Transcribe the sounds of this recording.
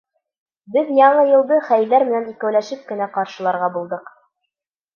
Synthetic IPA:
bɘðjɑɴɤjɤ̆lˠd̪ɤχæjlːæɾmɘ̆nænikæwlæʃɘp̚kɘ̆næqɑɾʃɤ̆lˠɑɾʁɑbulˠd̪ɤq

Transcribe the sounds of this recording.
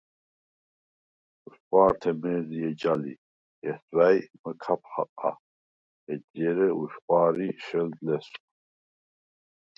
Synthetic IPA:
uʃχʼwaːɾt̪ʰɛmɛːziɛd͡ʒalḭ | ɛsʼwajməkʰap̚ʰχa̰qʼa̰ | ɛdjɛɾɛuʃχʷʼwaːɾiʃɛld̪lɛsʼ

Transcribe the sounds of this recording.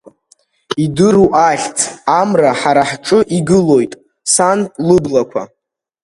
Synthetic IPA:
idɨɾuʔaɬʲt͡sʰamraħaɾaħʈ͡ʂʼɨʔiɡɨlo̞jtʼ | sanpʼlɨblakʷʰa̰

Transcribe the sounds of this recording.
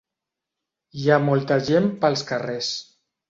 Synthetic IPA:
iamɔlˠt̪əʒempəlˠskəres

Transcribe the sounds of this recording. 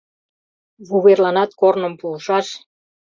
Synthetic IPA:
βuβerlɑnɑt̪̚kornə̆mpulʃɑʃ

